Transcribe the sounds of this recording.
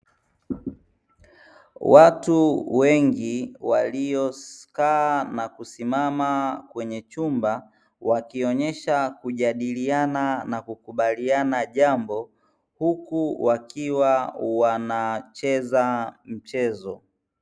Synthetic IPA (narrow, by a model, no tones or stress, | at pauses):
watuwɛŋɡiwaliɔkaːnakusimamakwɛɲɛt͡ʃumba | wakiɔɲɛʃakuʄaɗiliananakukuɓalianaʄambɔ | hukuwakiwawanat͡ʃɛzam̩t͡ʃɛzɔ